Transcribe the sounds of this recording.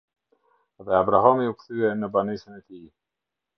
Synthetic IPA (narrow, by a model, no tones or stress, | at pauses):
ðɛabɾaɦamiukθyɛnəbanisənɛt̪i